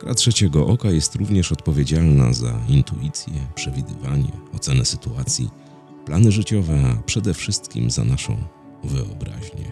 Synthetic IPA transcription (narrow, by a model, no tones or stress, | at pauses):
kɾatʂɛt͡ɕɛɡɔʔɔkajɛst̪ɾuvɲɛʂɔt̪pɔvʲjed͡ʑalna̰zaint̪ṵit̪sʲjɛpʂɛvʲid̪ɘvaɲɛ̰ɔt̪sɛnɛsɘt̪uat̪sʲjḭ | planɘʐɘt͡ɕɔvɛapʂɛd̪ɛfʂɘst̪kʲḭmza̰naʂɔ̰̃w̃ | vɘ̰ɔ̰bɾa̰ʑɲɛ̰